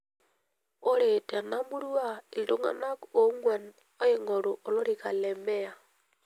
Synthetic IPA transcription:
o˦ɾe˨te˨na˦mu˦ɾwa˦i˨ldo˦ŋa̰˨na˦ko˦ŋwe˨n | o˦je˦ŋo˨ɾo˨ʔo˨lo˦ɾi˨ka̰˨lɛ˨me˦a˨

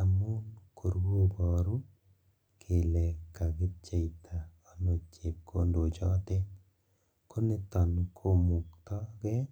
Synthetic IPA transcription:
a˨mu˦nkʰo˨ɾwo˦bɔ˨ɾu˦ | kʰe˨lɛ˨kːa˨ɡɪ˦t͡ʃe˦itʰa˨ | ɔ˦no˨t͡ʃe˨p̚kʰo˦ndo˨d͡ʒɔ˦tɛ˦ | kʰo˦ne˦t̪ɔ˨nkʰo˦mu˨kt̪ɔ˦ɡɛ˦

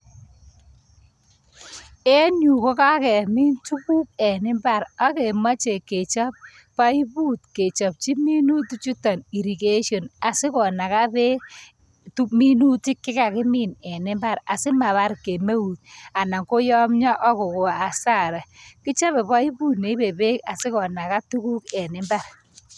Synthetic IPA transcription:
e˦ɲu˨ko˦ka˦kɛ˨mi˦ntu˦ku˦p̚ɛ˨nɪ˦mba˦˨ɾa˦ke˨ma˦t͡ʃe˨ke˨t͡ʃa˦p̚ | pa˦i˦bu˦t̚ke˨t͡ʃɔ˨p̚t͡ʃi˦mi˦nu˦tu˦t͡ʃu˦ta˨ni˨ɾi˨ke˦ʃɔ˨na˨sɪ˦kɔ˨na˨ka˦bɛ˦ | tu˦mi˦nu˦ti˦kːɪ˦ka˨kɪ˦mi˦˨nɛ˨nɪ˦mba˦ɾa˨sɪ˦ma˨βa˦ɾke˨me˦u˨ta˨na˨ŋko˦jɔ˦mɲɔ˦ʔɔ˦ko˨ko˨a˨sa˦˨ɾɛ˨kɪ˦t͡ʃa˦βɛ˨pa˦i˦bu˦tne˨˦i˦be˨be˦ka̰˨sɪ˦kɔ˨na˨ka˦tu˦ku˦kɛ˨nɪ˦mba˦r

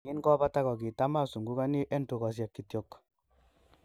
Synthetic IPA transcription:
ŋi˦nkɔ˦pa˦ta˦kɔ˨ki˨ta˦ma˦su˨ŋɡu˦ka˦ni˦ʔɛ˦ntu˨kɔ˨s̬ja˨kːi˨tjɔ˨k

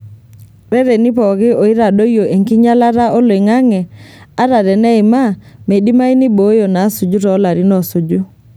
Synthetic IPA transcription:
ɾɛ˦ɾe˨ni˦pɔ˨ɣɪ˦o˨i˦ɾa˨ɗo˦jo˨ʔe˨ŋki˦ɲa˦la˦ɾa˦ʔo˦le˨ŋa˦ŋɛ˨a˦ɾa˨ɾɛ˨nɛ˦ɪ˨ma˦me˨di˦ma˦i˦ni˦bo˨˦jo˨na˨˦su˨d͡ʒu˦ɾɔ˨˦la˨ɾi˦nɔ˨su˨d͡ʒu˦

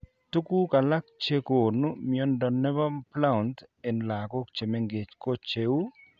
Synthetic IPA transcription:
tu˦ku˦ka˨la˦k̚t͡ʃe˦ko˨nu˦mɪɔ˦ndɔ˨nɛ˦ba˦pla˦˨nte˨nla˨kɔ˦k̚t͡ʃe˨me˦ŋɡe˨t͡ʃko˦t͡ʃe˨˦u˦

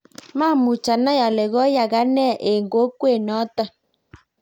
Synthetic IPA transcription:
ma˦˨mu˨t͡ʃa˨na˦ja˨le˨ɣɔ˦ja˨ɣa˦nɛ˦˨ʔe˨ŋɡo˨˦kwe˦˨nɔ˨˦tɔ˦

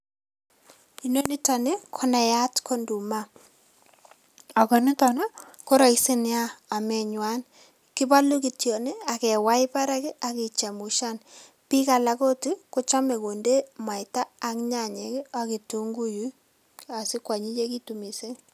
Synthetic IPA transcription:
i˨no˦ni˦ta˨ne˦kʰɔ˦na˨ja˦tkʰo˦ndu˨ma˦ | a˨kɔ˨nɪ˦tɔ˨na˦ko˦ɾa˨i˦si˦n˦aː˦˨mɛ˨ɲwa˦n | ki˦ba˦lu˦ki˨tjo˨ne˦a˨kɛ˨wa˦ɪ˦pa˦ɾa˦ki˦ʔa˨ki˨t͡ʃa˨mu˨ʃa˦n | pi˦ka˨la˨ko˦ti˦kʊ˦t͡ʃa˦me˨ko˨nde˦ma˨jtaː˦˨kɲa˨ɲe˨ka˦ki˨tu˦ŋɡu˦ju˦ | a˨sɪ˦kwa˨ɲi˦t͡ʃe˦ki˦tu˨mi˨se˦

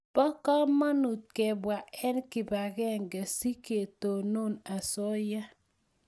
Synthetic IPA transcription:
b̥ɔ˦ka˦ma˦nu˨t̚kɛ˨bwa˨ɛ˦nkɪ˨ba˨ɡɛ˦˨ŋɡɛ˨si˦ke˨to˨no˦˨na˨sɔ˦ja˦

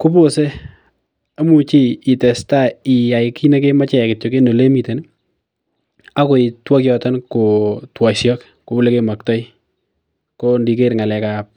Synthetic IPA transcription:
ku˦po˦se˦ | a˦mu˨t͡ʃiː˦˨tɛ˨sta˦i˨ja˨ikʰi˦ne˦ke˦ma˦t͡ʃɛ˨kɪ˨tjo˨ke˦no˨le˦mi˨te˨n | a˦ko˨i˨twɔ˦kjɔ˨tɔ˦nko˨twɔ˨sjɔ˦k | ko˨bu˦le˦ke˦ma˨k̚tɔ˦j | ko˦ndi˨ke˦ɾŋa˨lɛ˨kap̚

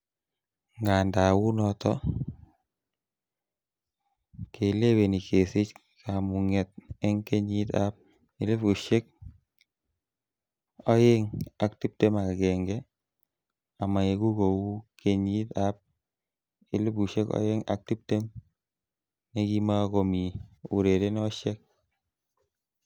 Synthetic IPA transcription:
ŋɡa˨nda˨wu˦nɔ˦tɔ˦ | kʰe˨le˦we˨ni˨ke˨sɪ˦t͡ʃ | kʰa˨mu˨ŋɛ˨t̚e˦ŋke˦ɲi˦ta̰˦p̚ | ɪ˨˦lɪ˦pu˨ʃe˦k̚ | ɔ˦je˦ŋa˨ktɪ˦p̚te˦ma˨kɡɛ˨ŋɡɛ˦ | a˨ma˨e˨ku˦ko˨wu˦ke˦ɲi˦t̪a˦p̚ | ɪ˨lɪ˦pu˨ʃe˦kɔ̰˦jɪ˦ŋa̰˦k̚ti˦p̚te˦m | ne˦ki˦ma˦ko˨mi˨ʊ˨ɾe˨ɾe˦n˦ɔ˦ʃe˦k̚

